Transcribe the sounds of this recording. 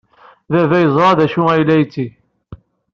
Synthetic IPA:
ðævæjəzˤɾˤɑðæʃuæjlːæjt͡sːi

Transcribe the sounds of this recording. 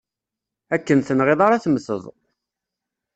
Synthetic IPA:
ækːənθənʁeðˤaɾɑθməθə̰ðˤ

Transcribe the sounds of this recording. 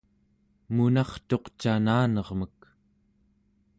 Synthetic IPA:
munɑχt̪o̞qt͡ʃanaːnʌʁmək

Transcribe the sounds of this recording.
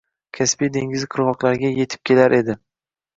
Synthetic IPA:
kʲʰaspijd̪e̞ŋɡʲɪzqʰɨɾvɒqlaɾɡʲaje̞t̪ʰɪ̥p̚kʲʰe̞laɾʔe̞d̪ɪ

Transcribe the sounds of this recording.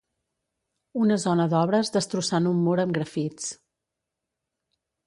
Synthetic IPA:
unəzɔnəðɔβɾəzðəst̪ɾusanumːoɾəmɡɾəfit͡s

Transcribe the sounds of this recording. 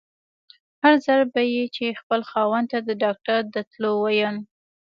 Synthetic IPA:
haɾzaɾbajit͡ʃexpəlxɑwant̪ad̪əɖɑk̚ʈaɾd̪ət̪lowajən

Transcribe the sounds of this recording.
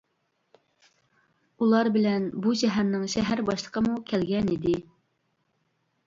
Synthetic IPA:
ulˠɑɾbɪlɛnbuʃɛɦæɾnɪŋʃɛɦæɾbɑʃlˠəqʰəmukʲʰɛlɡʲɛnid̪ɪ

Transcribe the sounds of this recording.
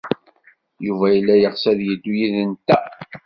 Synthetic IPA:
juvæjəlːæjəʁsæðjəd̪ːujiðənt̪ːæ

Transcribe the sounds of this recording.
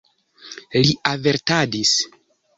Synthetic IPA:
liave̞ɾtadis

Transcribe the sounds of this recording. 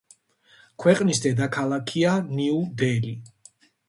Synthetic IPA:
kʰwɛqʼnisd̪ɛd̪akʰalˠakʰianiud̪ɛli

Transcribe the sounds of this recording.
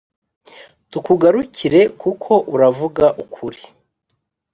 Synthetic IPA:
tukuɡaɾuciɾe̞kukʰo̞ʔuɾavuɡaʔukʰuɾi

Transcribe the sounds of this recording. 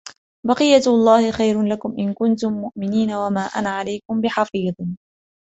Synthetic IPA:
bɑqɨjːalˤːɑːhɪxajɾʊlakʊmʔɪnkʊnt̪ʊmːʊʔmɪniːnawamaːʔa̰naʕalajkʊmbɪħɑfiːðˤ

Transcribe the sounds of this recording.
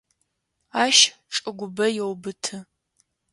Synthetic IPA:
aːʃ | ʈ͡ʂʼɨɡʷʊbɐjɛwbɨtʰɨ

